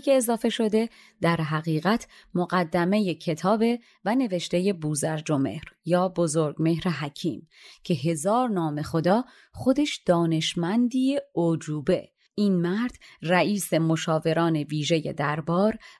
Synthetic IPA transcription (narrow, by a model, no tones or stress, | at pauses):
kʰeːzɒːfe̞ʃo̞d̪e̞ | d̪æɾɦæɣiːɣæt̪ʰmoɣæd̪ːæme̞jecʰe̞t̪ʰɒːbe | væne̞ve̞ʃt̪e̞je̞buːzæɾd͡ʒo̞me̞̰hɾjɒːbozoɾɡme̞hɾeɦæcʰiːmcʰe̞ɦe̞zɒːɾnɒːme̞xo̞d̪ɒː | χo̞d̪e̞ʃd̪̥ɒːne̞ʃmænd̪ieod͡ʒuːbe̞̰ | iːnmæɾd̪̥ræʔiːse̞mo̞ʃɒːve̞ɾɒːne̞viːʒe̞je̞̰d̪æɾbɒːɾ